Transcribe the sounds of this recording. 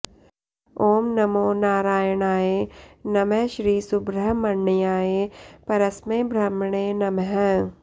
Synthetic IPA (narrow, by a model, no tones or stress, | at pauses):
oːmnɐmoːnaːɾaːjɐɳaːeːnɐmeʃɾiːsubɾəɦmɐɳːijaːjeːpɐɾɐsmeːbʱɾɐmɳeːnɐmɦɛ̃